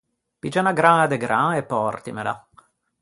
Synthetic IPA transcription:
pid͡ʒanaɡɾaad̪eɡɾaepːɔrt̪imela̰

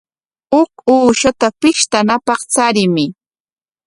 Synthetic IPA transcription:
ʊkuːʃat̪apɪʃt̪anapɑχt͡saɾɪmɪ

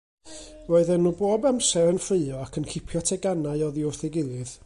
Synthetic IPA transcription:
roːɨðɛnːuboːbamsɛɾənfrɪɨɔakʰənkʰɪpʰjɔtʰɛɡanaɨɔðiʊrθɛɡɪlˠɨð

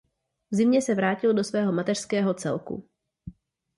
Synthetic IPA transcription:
vzɪmɲɛsɛvɾaːcɪldo̞svɛːɦo̞mat̪ɛr̥skɛːɦo̞t͡sɛ̰lkṵ

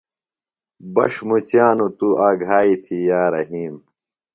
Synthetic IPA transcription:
bɐ̰ʂmut͡ɕjaːnut̪uaːɡʱaːit̪ʰijaːɾɐɦiːm

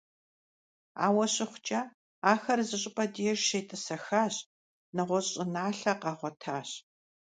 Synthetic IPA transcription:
a̰ːwɐɕɪχʷʊt͡ʃʼɐ | aːxɐrzɨɕʼɪpʼɐdirʃeːtʼɨsɐxaːɕ | nɨʁʷɔɕʼɪnaːɬɐqɑːʁʷɔtʰaːɕ

